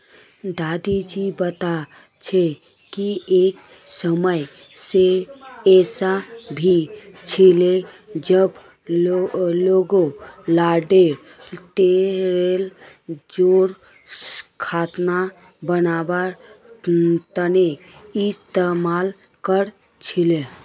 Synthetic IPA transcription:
d̪ad̪id͡ʒibət̪a | t͡ʃʰe | kiek | səməj | seɛsabʱit͡ʃʰile | d͡ʒəb | loɡolaɖeɾ | t̪eɾel | d͡ʒoɾ | kʰat̪na | bənaba | t̪əne | ist̪emal | kəɾ | t͡ʃʰile

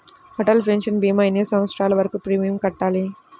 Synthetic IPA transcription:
hɔʈɐlpʰɾenʂɐnbiːmɐjneːsɐ̃mɐt̪sɾaːlɐʋɐɾɐkupɾiːmijumkɐʈːaːli

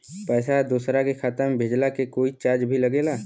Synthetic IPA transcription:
pɛːsad̪uːsɾakexʰaːt̪əɾmebʱeːd͡ʒlakekoːit͡ʃaːɾd͡ʒbʱiləɡeːlaː

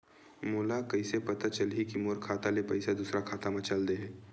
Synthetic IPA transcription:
moːlakəisepɐt̪at͡ʃəlɦikimoɾkʰaːt̪alepɐɪsad̪uːsɾakʰaːt̪amɐt͡ʃald̪eɦɛː

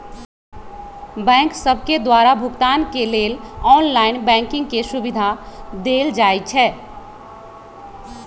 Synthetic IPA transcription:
bɛ̃ŋksəbʱked̪waɾabʱʊɡt̪ankelelɔnlaɪnbɛ̃ŋkɪ̃ŋɡkesubid̪ʱad̪eld͡ʒajt͡ʃʰɛː

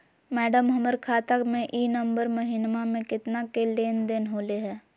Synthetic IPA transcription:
mɛːɖəmɦɐməɾkʰaːt̪əkmẽʔiːnə̃mbəɾməɦinmamẽkɪt̪nakeleːnd̪enɦoːleɦɛː

